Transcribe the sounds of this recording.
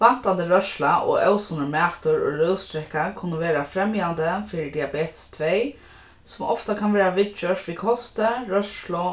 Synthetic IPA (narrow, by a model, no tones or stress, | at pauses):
ʋan̥t̪and̪əɾœʃlaʔɔ̰œwsɔnəmæːt̪ʊɹɔ̰ɾœwst̪ɾɛhkaɹkʰʊnːəʋeːɾafɾɛmjand̪əfiɾɪd̪iabeːt̪st̪ʰʋej | sʊmɔft̪akʰanʋɛːɾaʋɪt̪t͡ʃœʂʋikʰɔst̪əɾœʂlʊ